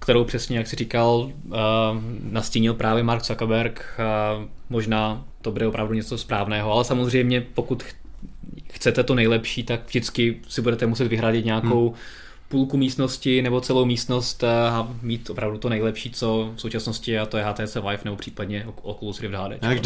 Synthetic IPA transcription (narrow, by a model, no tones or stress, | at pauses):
kt̪ɛɾowpr̥ɛsɲɛjaksɪrɪkal | nasciɲɪlpɾʔaːvjɛmaɾksakabɛɾk | mo̞ʒnaːt̪obudɛopɾavduɲɛt͡sospɾaːvnɛːɦoalɛsamozr̝ɛjmɲɛpokut̪ | xt͡sɛt̪ɛt̪onɛjlɛpʃiːt̪akvʒdɪt͡skɪsɪbudɛt̪ɛmusɛt̪vɪɦɾaɟɪt̪ɲaːkkow | puːlkumiːst̪noscɪnɛbo̞t͡sɛlo̞wmiːst̪nost̪amiːt̪opɾavdut̪onɛjlɛpʃiːt͡so̞fsowt͡ʃasnoscɪat̪ojɛɦaːt̪ɛːt͡sɛːvlajfnɛbo̞pr̥iːpadɲɛ | ʔokolusɾɪvdɦaːdɛ̰t͡ʃ